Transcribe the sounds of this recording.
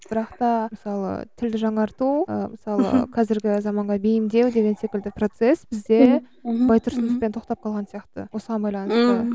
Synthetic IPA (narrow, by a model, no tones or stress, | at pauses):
b̥ɪɾɑqt̪ɑməsɑlˠə̰t̪ʰɪld̪ɪʒɑɴɑɾt̪uə̰məsɑlˠə̰qʰɑzɪɾɡʲɪzɑmɑɴʁɑbejɪmd̪e̞wd̪e̞ɡʲe̞nse̞kʲɪld̪ɪpro̞t̪se̞sb̥ɪzd̪e̞ | bɑjt̪ʰʊɾsənəspent̪ʰo̞qt̪ɑp̚qʰɑlˠʁɑnsijɑqt̪ə̰wo̞səʁɑnbɑjlˠɑnəst̪ə